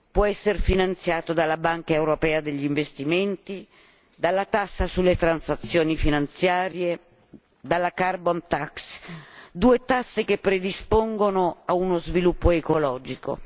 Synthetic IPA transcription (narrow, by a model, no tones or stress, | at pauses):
pwɔɛsːerfinant̪sjaːt̪od̪alːabaŋkaewɾopɛːad̪eʎːiɱvest̪iment̪i | d̪alːat̪asːasulːet̪ɾansat̪sːjoːnifinant̪sjaːɾje | d̪alːakarbont̪aksd̪uːet̪asːek̟epːɾed̪ispoŋɡonoaunozvilupːoekolɔːd͡ʒiko̰